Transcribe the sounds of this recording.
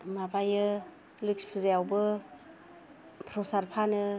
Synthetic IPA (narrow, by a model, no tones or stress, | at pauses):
mabajɯ | lɯk̚spʰɯzajawbɯ | pʰɾɔsaɾpʰanɯ